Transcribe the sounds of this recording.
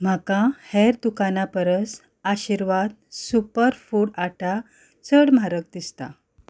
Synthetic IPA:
m̤akãhɛɾd̪ukanapəɾəs | aɕiɾʋad̪̚supəɾfuɽaʈa | t͡səɽm̤aɾək̚d̪ist̪a̰

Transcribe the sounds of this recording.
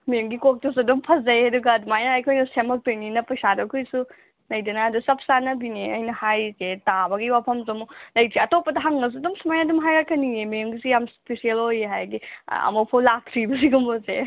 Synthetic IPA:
memɡikok̚tɐsɐdumpʰɐszɐjajduɡɐːdumajnaːjkʰojnɐsemɐk̚tejninɐpɐsadɐkʰujsu | nɐjdɐnɐːdusɐp̚sanɐbineɐjnɐhajzetabɐɡiwapʰɐmzɐmulɐjzeɐtopːɐdɐɦaŋnɐs̬udumsumajadumɦajakʰɐniemimɡisijamspesielojeɦajdiɐ̰mopʰowlak̚tʰɾibɐsiɡumoze

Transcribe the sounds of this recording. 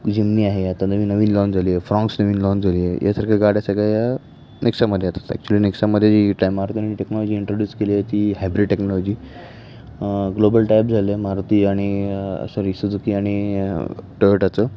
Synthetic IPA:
d͡ʑimniːaɦeat̪anəʋiːnəʋiːnlɔ̃nd͡zʱaliːjefɾɔ̃ŋksnəʋiːnlɔ̃nd͡zʱaliːjejʔa̰səɾkʰəɡaɽjasaɡaja | neksaməd̪ʱːjat̪ḁt̪ɛ̰k̚t͡ɕuəliːneksaməd̪ʱjed͡ʑiːʈajmaɾt̪ianniʈeknɔlɔd͡ʑiːɳʈɾoɖjuːskeleet̪iːɦajbɾiɖʈeknɔlɔd͡ʑiː | ɡlobəlʈajp̚d͡zʱalemaɾt̪iːaɽ̃iə̰sə̃ɾisud͡zukiːaɽ̃i | ʈoəʈat͡səː

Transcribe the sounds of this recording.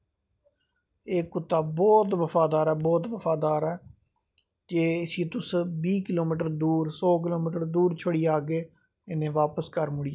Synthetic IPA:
eːkʊt̪ːaːbɔːt̪ʋəfaːd̪aːɾɛːbɔːt̪ʋəfaːd̪aːɾɛː | d͡ʒeːɪsiːt̪ʊsbiːkɪloːmiːʈəɾd̪uːɾsɔːk̬ɪloːmiːʈəɾd̪uːɾt͡ʃʰəɽiːaːɡeː | ɪnẽːʋaːpəskəɾmʊɽiː

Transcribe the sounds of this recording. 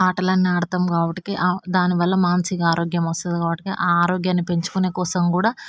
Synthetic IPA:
aːʈɐlɐnːiaːɽɐt̪ɐmɡaːbɐʈikeʔad̪aːniʋɐlːɐmaːnsikaːɾoːɡjɐmɐst̪ɐd̪ikaːbɐʈi̥kḭʔaːɾoːɡjaːnːipe̞ɲt͡ʃu̥kune̞ːkɔːsɐmkuːɽaː

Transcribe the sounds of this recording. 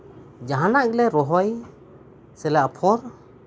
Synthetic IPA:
d͡ʒaɦanaʔɡlɛɾɔɦɔj | sɛlaʔpʰɔɾ

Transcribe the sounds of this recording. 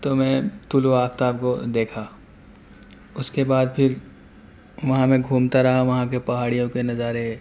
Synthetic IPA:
t̪omɛ̃ːt̪ʊloaːkt̪aːbkod̪eːkʰa | ʊskebaːd̪̚pʰɪɾ | ʋɐɦãmẽɡʱuːmt̪aɾɐɦaʋɐɦãkepɐɦaːɽijõkenɐzaːɾeɦɛ

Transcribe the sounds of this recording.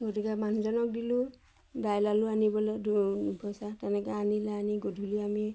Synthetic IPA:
ɡotikɛman̤uzɔnɔk̚dilʊ | dajlaluanibɔlɛdbʱɔsatɛnɛkaanilaaniɡodʱuliami

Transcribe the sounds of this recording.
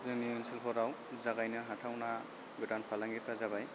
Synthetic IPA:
zɯniɯnsilpʰɔɾaw | zaɡajnɯɦatʰawna | ɡɯdanpʰalaŋɡipɾazabaj

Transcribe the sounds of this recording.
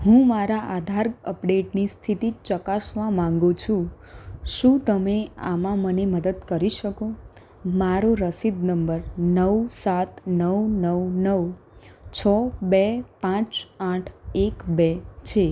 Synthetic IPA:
ɦũmaɾaʔad̪ʱaɾəpɖeʈnist̪ʰit̪it͡ʃəkasʋamãŋɡũt͡ʃʰũ | ʃũt̪əmea̰mãməneməd̪əd̪kəɾiʃəko | maɾoɾəsid̪nəmbəɾnəwsat̪nəwnəwnəw | t͡ʃʰəbepãt͡ʃaʈʰekbet͡ʃʰe

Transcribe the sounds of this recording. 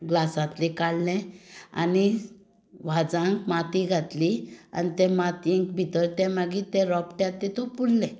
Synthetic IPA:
ɡlasãt̪likaɽlɛ̃a̰ni | ʋad͡zãŋkmat̪iɡʱat̪lia̰nit̪ɛ̃mat̪ĩŋkbʱit̪əɾt̪ɛ̃maɡit̪ɛ̃ɾɔpʈjat̪ːɛt̪ɔpuɽlɛ̃

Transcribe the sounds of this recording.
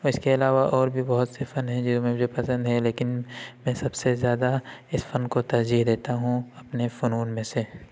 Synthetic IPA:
ɪskeɐlaːʋaʔɔːɾbʱibɔɦʊt̪sefɐnɦɛ̃d͡ʒɪmẽmʊd͡ʒʱepɐsə̃nd̪ɦɛleːkɪnmɛ̃ːsɐbsezjaːd̪aɪsfɐnkot̪ɐɾd͡ʒiːɦd̪eːt̪aɦũɐpnefʊnuːnmẽse

